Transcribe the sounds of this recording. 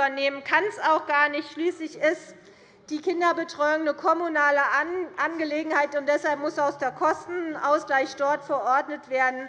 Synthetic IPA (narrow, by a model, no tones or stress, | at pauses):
ɐneːmənkʰansaʊxɡ̥aːɐnɪçtʃliːslɪçɪs | d̥iːkɪndɐbətʁ̥ɔʏʊŋnəkʰɔmunaːləʔanɡəleːɡŋ̩haɪtʊntd̥ɛshalpmʊsaʊsd̥eːɐkʰɔstn̩ʔaʊsɡ̥laɪçd̥ɔɐtfɛɐʔɔɐdnətv̥eːɐdn̩